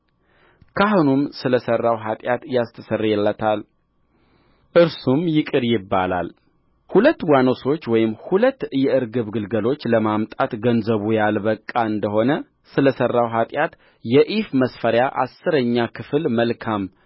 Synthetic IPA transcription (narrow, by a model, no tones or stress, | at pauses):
kʰaɦonumsɨləsərːawɦat̪ʼjat̪jast̪ʰəsərjɛlːət̪ʰal | ʔɨɾsumjɪkʼɨɾjɪbːala̰l | hulət̪ːwano̞so̞t͡ʃːwɔjɪmhulət̪ːɨjɛʔɨɾɡɨβɡɨlɡəlo̞t͡ʃːləmamt̪ʼat̪ɡənzəβujalbəkʼːaɨnd̪əho̞nə | sɨləsərːawɦat̪ʼjat̪ | jɛʔifməsfəɾjaʔa̰sːɨɾəɲːakʰɨflməlkʰam